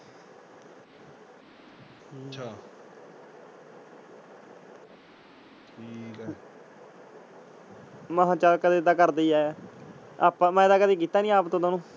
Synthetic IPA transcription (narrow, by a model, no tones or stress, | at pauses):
t͡ʃʰaː | ʈʰiːk | məɦãːt͡ʃaːlkəd̪eːt̪aːkəɾd̪eiːɛː | a̰ːpãːmɛ̃ːd̪aːkəd̪eːk̬iːt̪ːaːnĩːaːpt̪õːt̪oːnũː